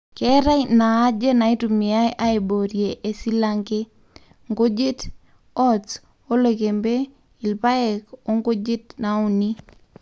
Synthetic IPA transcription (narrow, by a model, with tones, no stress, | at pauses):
kɛ˦ɾa˦jnaː˨˦d͡ʒe˦na˨i˦tu˨mɪ˨a˦jʔa˦e˨bo˨ɾje˨ʔe˨si˦laŋɡe˦ | ŋɡo˦d͡ʒi˦t | ɔ˦t͡s | o˦le˨ke˨mbe˦ | i˨lpa˦ɛ˨ko˦ŋɡo˦d͡ʒi˦tna˨u˨ni˦